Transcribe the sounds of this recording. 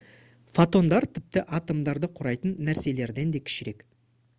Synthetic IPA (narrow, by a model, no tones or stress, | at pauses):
fot̪o̞nd̪ɑɾt̪ʰɪp̚t̪ɪʔɑt̪omd̪ɑɾd̪əqʰʊɾɑjt̪ənːæɾse̞le̞ɾd̪e̞nd̪e̞kʲʰɪ̥ʃɪɾe̞k